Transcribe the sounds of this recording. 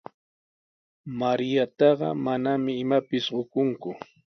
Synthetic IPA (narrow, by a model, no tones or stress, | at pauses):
maɾɪjat̪ɑɢɑ̰manamɪːmapɪsɢokʊŋkʊ